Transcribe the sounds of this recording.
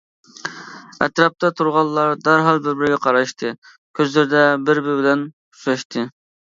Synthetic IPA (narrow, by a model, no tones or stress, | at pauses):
ɛ̰t̪ɾɑp̚t̪ʰɑt̪ʰuɾʁɑlˠːɑɾd̪æɾɦɑlˠbɪɾbɪɾɡʲɛqʰɑɾɑʃt̪ʰɨ | kʲʰøzlɪɾɪd̪ɛbɪɾbɪɾbɪlɛn | u̥ʃɑʃt̪ʰɨ